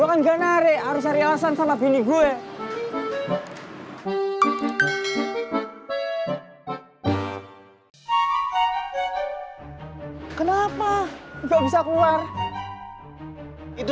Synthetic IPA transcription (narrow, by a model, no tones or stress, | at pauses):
akanɡanaɾeaɾʊsaɾialasansamabiniɡue | kənapaɡabisakuar | it̪u